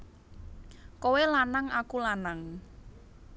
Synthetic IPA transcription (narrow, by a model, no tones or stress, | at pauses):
kowelanaŋʔakulanaŋ